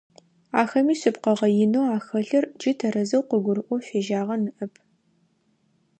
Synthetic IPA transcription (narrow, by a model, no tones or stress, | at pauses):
aːxɐmiːsɨpqɐʁɐjɪnoːaːxɐɬɐrd͡ʒɪtʰɐɾɐzɐwqʷəɡʷʊɾɨʔʷɔfeːʒaːʁɐnɨʔɐpʰ